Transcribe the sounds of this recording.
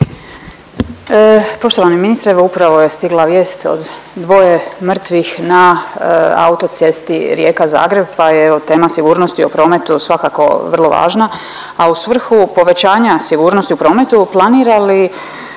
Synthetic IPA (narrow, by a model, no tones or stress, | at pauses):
po̞ʃt̪oʋaniminist̪ɾeʋoupɾaʋo̞je̞st̪iɡlˠaʋjeːst̪o̞̰d̪ː | ʋo̞jemr̩t̪ʋixna | a̰ut̪o̞t̪sje̞st̪iɾje̞ːkaza̰ːɡɾe̞b̚pajeot̪e̞ːmasiɡuːɾnost̪iopɾo̞ːme̞t̪usʋakako̞̰ʋr̩lˠo̞ʋa̰ːʒna | ausʋr̩xupo̞ʋe̞t͡ɕaːɲasiɡuːɾnost̪iupɾo̞ːme̞t̪uplˠaniːɾali